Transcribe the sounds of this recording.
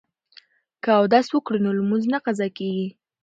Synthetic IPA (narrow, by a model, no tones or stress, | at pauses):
kaawd̪ɑswəkɽənolmunznaqazɑkeɡi